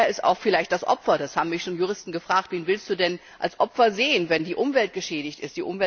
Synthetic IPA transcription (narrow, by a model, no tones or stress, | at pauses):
ɐɪsta̰ʊxfɪlaɪçt̚d̥asʔɔ̰pfɐdashaːbm̩mɪçʃoːnjuʁ̞ɪstn̩ɡəfʁ̥aːk̚tv̥eːnvɪlstd̥uːdɛn | ʔa̰lsʔɔpfɐzeːənvɛndiːʔʊmvɛlt̚ɡ̥əʃɛːɾɪçtɪst̚d̥iːʔʊmvɛ